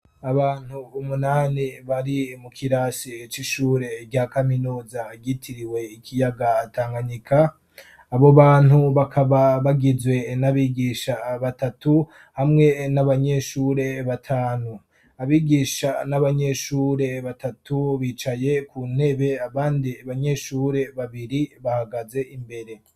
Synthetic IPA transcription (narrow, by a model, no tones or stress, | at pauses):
aβaːn̥huːmunaːniβaɾimukʰiɾasit͡ʃiʃuːɾe̞bɟakaminuːzaɡitʰiɾiwe̞ikʰijaɡaːtʰaːŋɡaɲikʰaː | βo̞βaːn̥huβakʰaβaβaɡizwe̞naβiːɡiːʃaβatatu | hamŋe̞naβaɲe̞ʃuːɾe̞βatʰaːnu | aβiːɡiːʃanaβaɲe̞ʃuːɾe̞βatatʰuβiːt͡ʃaje̞kuːn̥he̞βe̞aβaːndiaβaɲe̞ʃuːɾe̞βaβiɾiβahaɡaze̞ʔimbe̞ɾe̞